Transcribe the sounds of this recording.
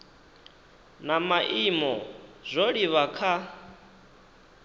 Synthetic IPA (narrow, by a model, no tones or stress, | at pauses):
namaʔimɔzʷoɺiβakʰa